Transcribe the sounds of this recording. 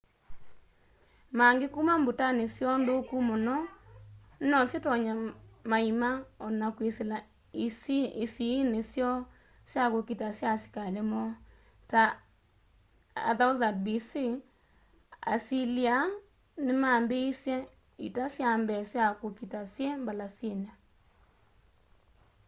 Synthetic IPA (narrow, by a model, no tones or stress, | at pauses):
maŋɡekumambotanesjɔndokumɔnɔ | nɔsjetɔɲamaimaɔnakwesela | isisinesjɔ | sjakokitasjasi̥kalemɔ | ta | a̰ðaʊzad̚bisi | a̰silia | nɪmambeisjɛ | ḭtasjambɛsjakokitasjembalasjena